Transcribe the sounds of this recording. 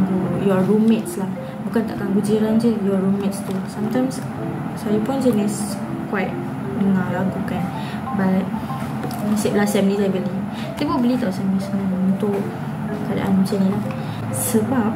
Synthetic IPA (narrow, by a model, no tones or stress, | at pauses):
ŋɡujɔɹumɛt̚slah | bukant̪a̰ʔkaŋɡud͡ʒiɾand͡ʒəjɔɹumɛtst̪ulasamt̪ãjms | sajupʊnsinɛs | kwajt̚ | dəŋalahŋkukan | bat̚ | misɛblasɛmnĩsajbəli | t̪epobəlit̪awsamɛsnaunt̪ʊʔ | kada̰ʔa̰nat͡ʃanĩlah | səbap̚